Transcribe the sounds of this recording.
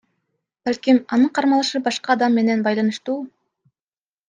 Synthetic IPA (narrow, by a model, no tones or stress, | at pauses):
b̥ælʲkimɑnɯɴqʰɑɾmɑlˠɯʃɯbɑʃqɑːd̪ɑmːe̞ne̞nbɑjlˠɑnɯʃt̪uː